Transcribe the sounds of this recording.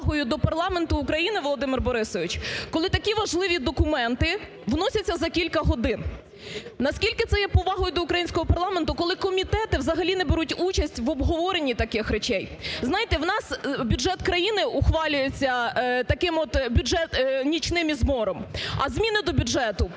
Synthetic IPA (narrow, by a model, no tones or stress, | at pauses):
ɦɔjʊd̪ɔpɐrlˠɑment̪ʊːkɾɐjinɪʋɔlˠɔd̪ɪmɪrbɔɾɪsɔʋʲit͡ʃkɔlˠɪt̪ɐkʲiʋɐʒlˠɪʋʲid̪ɔkʊmɛnt̪ɪ | ʋnɔsʲɐt͡sʲːɐzɐkʲilʲkɐɦɔd̪ɪn | nɐskʲilʲkɪt̪sɛjɛpɔʋɑɦɔjʊd̪ɔukɾɐjinʲsʲkɔɦɔpɐrlˠɑment̪ʊkɔlˠɪkɔmʲit̪ɛt̪ɪwzɐɦɐlʲinɛbeɾutʲut͡ʃɐsʲtʲʋɔbɦɔʋɔɾenʲːit̪ɐkɪxɾet͡ʃɛjznɑjɪt̪ɛwnɑsbʲʊʒɛt̪kɾɐjinɪʊxʋɑlʲʊjet͡sʲːɐt̪ɐkɪmɔt̪bʲʊʒɛt̪nʲit͡ʃnɪmʲizmɔɾɔmɐ̰zʲmʲinɪd̪ɔbʲʊʒɛt̪ʊ